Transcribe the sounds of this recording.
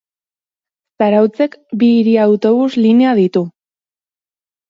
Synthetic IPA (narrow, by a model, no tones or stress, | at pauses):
saɾawt͡se̞kbiːɾiawt̪o̞βusline̞aðit̪u